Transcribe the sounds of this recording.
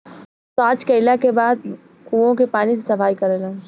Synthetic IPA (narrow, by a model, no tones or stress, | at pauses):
saːt͡ʃkɐɪlakebaːd̪̚ | kuːõkepaːnisesɐfaːikɐɾelã